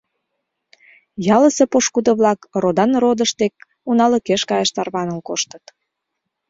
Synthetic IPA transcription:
jɑləsepoʃkud̪əβlɑkrod̪ɑnrod̪əʃt̪ek̚ | unɑlə̆keʃkɑjeʃt̪ɑrβɑnəlkoʃt̪ət̪

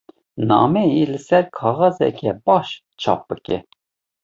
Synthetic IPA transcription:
nɑ̰ːmɛjilɨsɛɾkʰɑːɣɑzɛ̰kʲʰɛbɑʃ | t͡ʃʰɑ̰ːp̚b̥ɨkʲɛ̰

